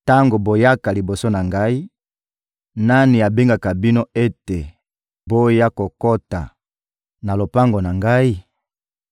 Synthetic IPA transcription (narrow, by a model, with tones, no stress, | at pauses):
ta˦ŋɡo˨bo˨ja˦ka˨li˨bo˨so˦na˨ŋɡa˦i˦ | na˦ni˨a˨be˦ŋɡa˨ka˨bi˦no˦e˦te˨ | bo˦ja˦ko˨ko˦ta̰˨ | na˨lo˨pa˦ŋɡo˨na˨ŋɡa˦i˦